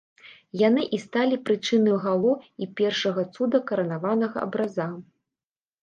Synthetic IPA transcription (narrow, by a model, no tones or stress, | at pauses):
janɨʔist̪alʲipɾɨt͡ʂɨnɐjuɣalˠɔipʲɛrʂɐɣɐt̪sud̪ɐkɐɾɐnavanɐɣɐ̰ʔɐ̰bɾaza